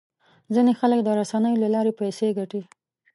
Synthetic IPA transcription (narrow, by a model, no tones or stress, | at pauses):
zinexalək̚d̪əɾasanəjolalɑɾepajseɡaʈi